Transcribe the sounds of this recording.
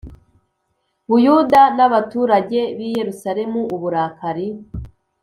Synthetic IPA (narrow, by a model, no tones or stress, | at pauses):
βujudanaβatuːɾaɟe̞βije̞ɾusaɾe̞muuβuɾaːkaɾi